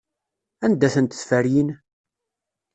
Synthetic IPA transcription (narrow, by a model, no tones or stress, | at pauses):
ænd̪æθənt̪ə̥sfæɾjin